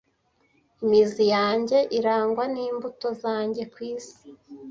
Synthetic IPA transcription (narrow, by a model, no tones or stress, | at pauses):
imizijaːɲɟe̞ʔiɾaːŋɡwaniːmbuto̞zaːɲɟe̞kwiːsi̥